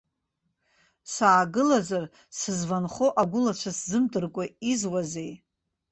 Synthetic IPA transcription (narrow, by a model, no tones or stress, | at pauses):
saːɡɨlazar | sɨzvanχoʔaɡʷʊlat͡ʃʷʰaszɨmdʼɨrkʷʼaizwaze̞j